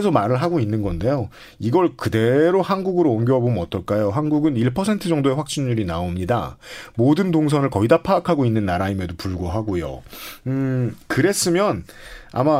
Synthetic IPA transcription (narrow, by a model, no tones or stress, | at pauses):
esʰʌmaɾɯɭɦaɡoinːɯnɡʌnde̞jo | iɡʌɭkɯde̞ɾohanɡuɡɯɾoːnɡjoɦʌbomɯnʌt͈ʰʌɭk͈ajoɦanɡuɡɯniɭpʰʌsʰe̞ntʰɯd͡ʑʌŋdoe̞ɸwak̚t͡ɕ͈inɲuɾinaomɲida̰modɯntoŋs̬ʰʌnɯɭkʌidapʰaːkʰaɡoinːɯnːaɾaime̞dopuɭɡoɦaɡojo̰ | kɯɾe̞s͈ɯmjʌn | a̰ma